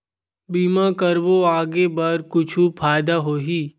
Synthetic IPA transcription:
biːmãkəɾboaːɡebɐɾkʊt͡ʃʰupʰaːjd̪aɦoːɦiː

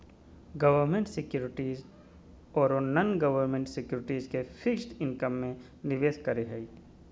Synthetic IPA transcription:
ɡɐʋəɾmẽɳʈsɪkjuːɾɪʈiːz | ɔːɾonənɡɐʋəɾmẽːɳʈsɪkjuːɾɪʈiːzkefʰɪkʃʈɪnkəmːẽ | nɪʋeːʃkɐɾeɦɛi

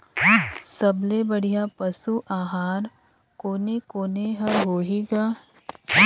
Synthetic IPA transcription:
sɐblebɐɽ̤ijapɐsuʔaːɦaːɾ | koːnekoːneɦɐɾɦoːɦiɡaː

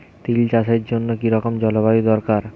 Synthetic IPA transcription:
t̪ilt͡ɕaʃeɾd͡ʑonːokiɾɔkomd͡ʑɔloβajid̪ɔɾkaɾ

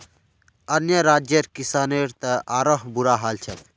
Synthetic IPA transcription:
ɐnjəɾaːd͡ʒjəɾkisaːneɾt̪əʔaːɾəɦbuɾaɦaːlt͡ʃʰən

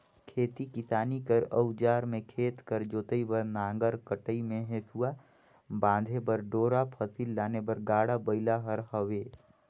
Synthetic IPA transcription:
kʰeːt̪ikisaːnikəɾəwd͡ʒaːɾmẽkʰeːt̪kəɾd͡ʒoːt̪əibəɾnãːŋɡəɾkəʈəimẽɦeːt̪ua | bãːd̪ʱepəɾɖoːɾapʰəsilːaːnebəɾɡaːɽabəɪlaɦəɾɦəʋeː

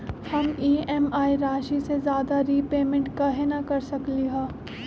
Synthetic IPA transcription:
hɐmiːɛmaːiɾaːʃisezjaːd̪aɾiːpeːmẽɳʈkɐɦenakɐɾsɐkliɦɛ̃ː

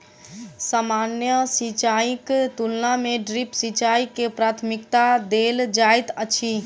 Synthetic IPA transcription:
samanjəsit͡ʃaikt̪ulnameɖɾipsit͡ʃaikepɾat̪ʰmikt̪ad̪eld͡ʒajt̪ət͡ʃʰi

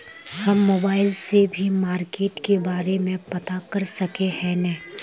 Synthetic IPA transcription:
hɐmːoːbaːɪlsebʱimaːɾkeːʈkebaːɾemẽpɐt̪akɐɾsɐkehɛnɛː

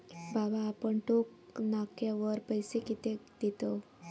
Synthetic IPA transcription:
babaːpəɳʈoknakjaʋəɾpəjsekit̪ed̪it̪o

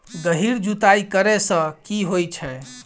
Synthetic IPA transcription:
ɡ̪əɦiɾd͡ʒut̪aikəɾɛsə̃kiɦojt͡ʃʰɛ

